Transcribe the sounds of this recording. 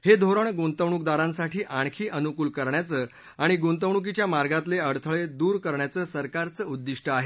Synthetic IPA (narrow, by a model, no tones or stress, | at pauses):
hed̪ʱoɾəɳɡunt̪əʋɳ̃uk̚d̪aɾãnsaʈʰiːʔãɳ̃kʰiːʔənukuːlkəɾɳjat͡səː | aɽ̃iɡunt̪əʋɳuk̬it͡ɕjamaɾɡat̪leəɽt̪ʰəɭed̪uːɾkəɾɳjat͡səːsəɾkaɾt͡səud̪ːiʂʈəaɦe